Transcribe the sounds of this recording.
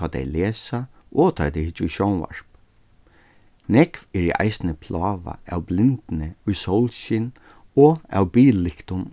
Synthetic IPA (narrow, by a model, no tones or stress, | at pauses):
ɑd̪ɛ̰jleːsa | ʔɔt̪ʰɑd̪ɛhɪt͡ʃːʊjʃɔwnʋa̰ɹ̥p | nɛkʋɛɹiʔa̰jsnəpʰlɑːʋa̰ʔæwblɪnt̪ɪnəʊjsowlʃɪn | ɔæ̰wbiːlɪkt̪ʊm